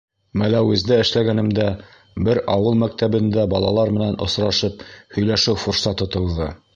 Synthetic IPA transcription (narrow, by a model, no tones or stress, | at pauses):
mælæwɘ̆zd̪æɘ̆ʃlæɡænɘ̆md̪æ | bɘɾɑwɤlˠmæk̚t̪æbɘ̆nd̪æbɑlˠɑ̰lˠɑɾmɘ̆nænʔŏ̰sɾɑʃɤp̚hɵ̆jlæʃɘwfuɾsɑt̪ŏt̪ɤ̆w̪ˠðɤ